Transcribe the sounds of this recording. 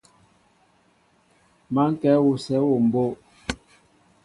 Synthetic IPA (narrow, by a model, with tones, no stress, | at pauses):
ma˦ŋ̩˦kɛ˦wu˨sɛ˨˦wo˨m̩˨bo˦˨